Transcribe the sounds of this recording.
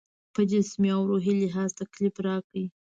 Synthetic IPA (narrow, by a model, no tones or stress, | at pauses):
pəd͡ʒɪsmiawɾoɦilɪɦɑzt̪aklɪpɾɑki